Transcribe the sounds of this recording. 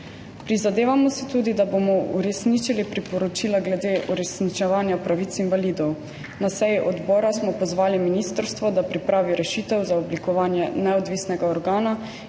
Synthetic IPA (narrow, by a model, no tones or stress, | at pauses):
pɾizad̪eːʋamɔsɛt̪uːd̪id̪abomɔuɾɛsnit͡ʃilipɾipɔɾɔt͡ʃiːlaɡlɛd̪eːʔuɾɛsnit͡ʃɛʋaːnjapɾaʋit̪sinʋaliːd̪ɔw | nasɛjiʔɔd̪bɔːɾasmɔpɔzʋaːliminiːst̪əɾst̪ʋɔd̪apɾipɾaːʋiɾɛʃiːt̪ɛwzaɔblikɔʋaːnjɛnɛɔd̪ʋiːsnɛɡaɔɾɡaːna